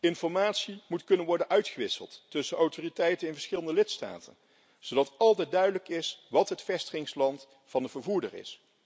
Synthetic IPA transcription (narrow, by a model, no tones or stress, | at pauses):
ɪnfɔɹmaːtsimutkɵnənʋɔɹdənʔœɥtχəʋɪsə̰lˠtːɵsənɔwtoːritɛjtənɪnvəɹsχɪləndəlɪtsta̰ːtʰə̰n | zowdɑtɑlˠtɛdœɥdələkɪsʋɑtɦətfɛstəχɪŋslɑnt | fɑndəvəɹvuːɹdə̰rɪ̰s